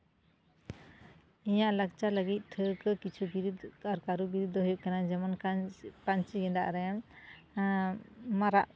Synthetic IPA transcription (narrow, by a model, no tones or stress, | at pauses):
ijaʔlək̚t͡ʃaləɡit̪̚ˀʈʰəɾkəkit͡ʃʰubiɾud̪aɾkaɾubiɾud̪ʱːɔɦujuʔkanad͡ʒɛmankant͡ʃiɡɛndaʔɾɛjam | maɾaʔ